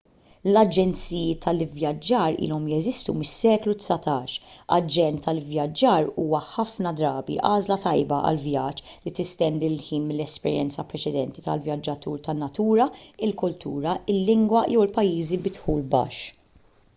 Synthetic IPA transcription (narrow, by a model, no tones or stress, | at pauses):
lɐd͡ʒɛnt͡sijɪt̪ʰɐlɪvjɐd͡ʒːɐːɾḭːlɔmjɛzɪst̪umɪsːɛːklut̪sɐt̪ɐːʃɐ̰d͡ʒɛnt̪ʰːɐlɪvjɐd͡ʒːɐːɾuːwɐħɐfnɐd̪ɾɐːbḭʔɐːzlɐt̪ɐjbɐʔɐ̰lvjɐt͡ʃːlit̪ɪst̪ɛnd̪ilħiːnmɪlːɛspɛ̰ɾjɛ̰nt͡sɐpɾɛt͡ʃɛd̪ɛnt̪it̪ɐ̰lvjɐd͡ʒːɐt̪uːɾt̪ɐnːɐt̪uːɾɐɪlkʊlt̪ʰṵːɾɐɪlːɪŋɡwɐjɛwɪlpɐjːiːzibɪt̪ħuːlbɐ̰ːʃː